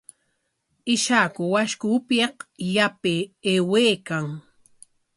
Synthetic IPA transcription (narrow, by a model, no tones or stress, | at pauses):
ɪʃakʊwaʃkʊpjeqjapɪeweːkaŋ